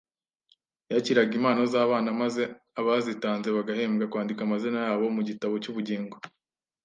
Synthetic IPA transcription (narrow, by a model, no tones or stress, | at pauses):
jaciɾaɡimaːnozaːβaːnamaze̞ | aβazitaːnze̞βaɡahe̞ːmɡakwaːndikamazinajaːβo̞muɟitaβo̞cuβuɟeːŋɡo